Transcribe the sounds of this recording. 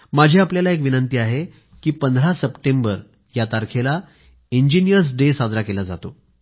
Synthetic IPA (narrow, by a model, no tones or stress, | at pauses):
mad͡ʑʱiapljalaekʋinənt̪iːaɦe | kiːpənd̪ʱɾasəpʈembəɾ | jat̪aɾkʰela | iɲd͡ʑinijəɾs̬ɖesad͡zɾakelad͡zat̪o